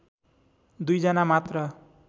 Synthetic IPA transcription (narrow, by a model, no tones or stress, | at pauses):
d̪ujd͡zʌnamat̪rʌ